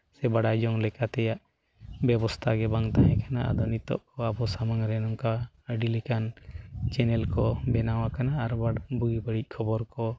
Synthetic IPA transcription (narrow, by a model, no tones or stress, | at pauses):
sɛbaɽad͡ʒɔŋlɛkat̪ɛjaʔ | bɛbɔst̪ʰaɡɛbaŋt̪aɦɛ̃kʰanaa̰d̪ɔnit̪ɔ̰ʔkɔabɔsamaŋɾɛnɔŋka | ɖilikant͡ʃɛnɛlkɔbɛnawakanaːɾbaɽbuɡibəɽic̚ˀkʰɔbɔɾkɔ